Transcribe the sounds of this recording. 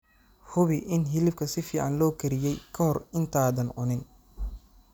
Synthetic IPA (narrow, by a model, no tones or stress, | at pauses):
hʊβɪʔɪnɦɪlɪbkʰɐsɪfiːʕɑ̰nlɔːkʰɐɾɪjɛjkʰɐhɔrɪnt̪ʰaːðɐnʕʊnɪn